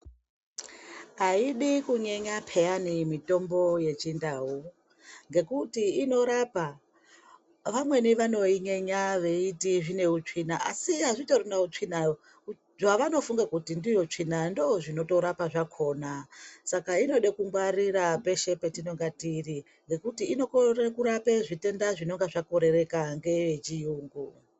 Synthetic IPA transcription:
ɦaiɗikuɲeɲapʰe̞janimito̞mbo̞je̞t͡ʃindaɦu | ŋɡe̞kutiːno̞ɾapa | ʋamwe̞niʋano̞iɲeɲaʋe̞itiʐine̞ut͡ʂinaʔasiɦaʐitorunaut͡ʂina | u | ʐaʋano̞fuŋɡakutindijo̞t͡ʂinandooʐino̞to̞ɾapaʐakʰo̞ːnasakaino̞ɗekuŋɡwarirape̞ʃe̞pe̞tino̞ŋɡatiri | ŋɡe̞kutiːno̞korekuɾapeʐite̞ndaʐino̞ŋɡaʐakoɾe̞re̞kaŋɡe̞ʋet͡ʃijuːŋɡu

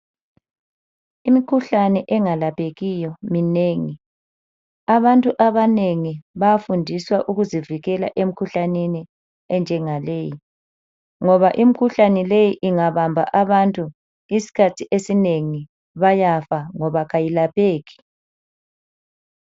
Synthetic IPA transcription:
imikʰuɬanɛʔɛŋalapʰʼeɣijɔmineːŋi | aβantʼuʔaβaneŋiβajafundʱiswaʔuɣuziviɣɛla̰ʔem̩kʰuɬanini | ɛnd͡ʒʱɛŋaleji | ŋɔβaʔim̩kʰuɬanɛlejiʔiŋaβambʱa̰ʔaβantʼu | isi̥kʰatʰiʔesineŋi | βajafaŋɔβaɣajilapʰʼeːɣi̥

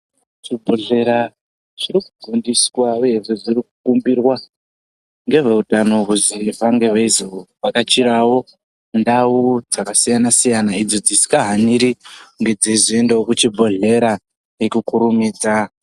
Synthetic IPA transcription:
t͡ʂibʱo̞ɮe̞ɾa | ʐirikuɡʱundiswaeeʐiʐirikukumbirwa | ŋɡe̞ʐe̞utano̞ɦuzivaŋɡe̞ʋeizioʋakat͡ʃiɾawo̞ | ndawud͡zakasijanasijanaid͡zod͡zisi̥kaɦaniɾiŋɡe̞d͡zeziendeokut͡ʃibʱo̞ɮe̞ɾa | ekukuɾumiːd͡za

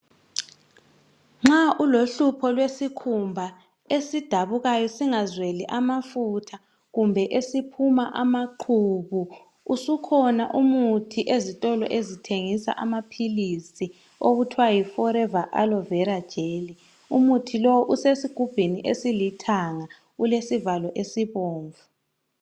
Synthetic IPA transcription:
ŋ͡ǁaʔuloɬupʰɔlwesikʰumbʱa | esid̥ʱaβuɣajɔsiŋazweliʔamafutʰa | ɣumbʱɛʔesipʰumaʔamaǃʰuːβu | usukʰɔnaʔumutʰiʔezitʼɔlɔ̰ʔezitʰeŋisa̰ʔamapʰilisi | oɣutʰwajifɔɾɛvaʔa̰lɔvɛɾad̥ʒ̥ʱeːli | umutʰilɔwɔʔusesiɡ̥ʱub̥ʱiniʔesilitʰaŋa | ɣulesivalɔʔesiβoːɱvu

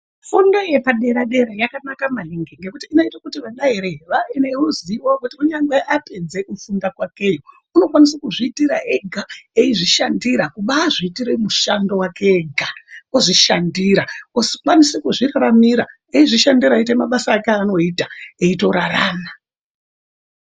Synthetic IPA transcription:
fundoje̞paɗe̞ɾaɗe̞ɾajakanakamaliŋɡeŋɡe̞kutiːnoitakutiʋaɗaiɾeʋaeneruziʋokutiuɲaŋɡeʔaped͡ze̞kufundakwake̞jo | uno̞kwanisakuʐiːtiɾaʔeɡʱaeiʐiʃandiɾakuɓaːʐiːtiɾemuʃando̞wakeɡʱakoʐiʃandiɾaosi̥kwanisekuʐiraɾamiɾa | eiʐiʃandiɾaitemaɓasaːkeaːno̞itaeito̞ɾaraːna

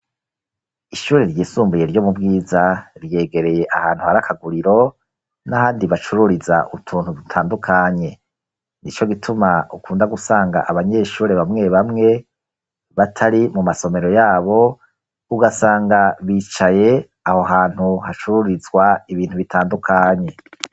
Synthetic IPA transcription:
iʃuːɾeɾjiːsuːmbuje̞ɾɟo̞ːmubɡiːzaɾje̞ːɡe̞ɾe̞je̞ʔahaːn̥huhaɾakʰaɡuɾiɾo̞ | nahaːndiβat͡ʃuɾuɾiza̰ʔutʰuːn̥hudutʰaːndukʰaɲe̞ | nit͡ʃo̞ɡitʰumaukuːndaɡusaːŋɡa̰ʔaβaɲe̞ʃuːɾe̞βamŋe̞βamŋe̞ | βatʰaɾimumaso̞me̞ɾo̞jaːβo̞ | uɡasaːŋɡaβit͡ʃaje̞ | aho̞ɦaːn̥huhat͡ʃuɾuɾizɡwaiβiːn̥huβitʰaːndukʰaɲe̞

